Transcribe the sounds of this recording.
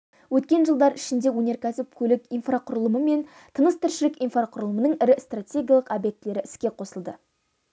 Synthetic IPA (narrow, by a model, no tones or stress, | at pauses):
wɵt̪kʲe̞nʒəlˠd̪ɑɾɪʃɪnd̪e̞wɵnʲe̞ɾkʲæsɪp̚kʲʰɵlɪkinfraqʰʊɾəlˠəməme̞n | t̪ʰənəst̪ʰɪɾʃɪlɪkijnfraqʰʊɾəlˠəmənəɴɪɾɪst̪ratʲe̞ɡʲijalˠəqobjek̚t̪le̞ɾɪʔɪskʲe̞qʰo̞səlˠd̪ə